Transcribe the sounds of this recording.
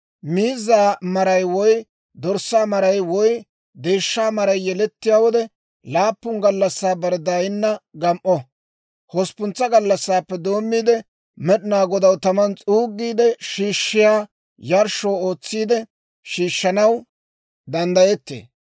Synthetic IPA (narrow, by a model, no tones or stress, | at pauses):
miːzːaːmɐɾɐjwɔj | d̪ɔɾsːaːmɐɾɐjwɔj | d̪e̞ːʃːaːmɐɾɐjjɛlɛt̪ːɪjaːwɔd̪ɛ | laːpːʊŋɡɐlːɐsːaːbɐɾd̪aːjɪnːɐɡɐmʔɔ | hɔspʊnt͡sːɐɡɐlːɐsːaːpːɛd̪o̞ːmːiːd̪ɛ | mɛɗɪnaːɡɔd̪ɐwt̪ɐmɐnt͡sʼuːɡːiːd̪ɛʃiːʃːɪjaː | jɐɾʃoːo̞ːt͡sːiːd̪ɛ | ʃiːʃːɐnɐw | d̪ɐnd̪ɐjɛt̪ːḛː